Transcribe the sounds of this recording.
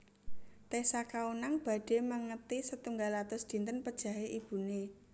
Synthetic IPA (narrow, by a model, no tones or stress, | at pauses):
t̪esakaunaŋb̥a̤ɖ̥e̤məŋət̪isət̪uŋɡalat̪ʊsd̪̥i̤nt̪ənpəd̥ʒ̥ä̤ɦeʔib̥ṳne